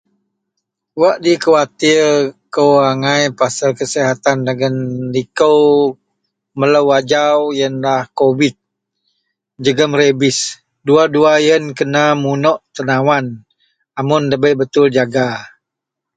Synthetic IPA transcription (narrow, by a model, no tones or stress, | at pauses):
waʔdikəwat̪ɪrkəwaŋajpasalkəsiɦat̪andaɡənlikəw | mələwad͡ʒawjənlahkobɪt̪̚ | d͡ʒəɡəmrebɪs | duaduajənkənamunɔʔt̪ənawan | amʊnləbəjbət̪ʊld͡ʒaɡa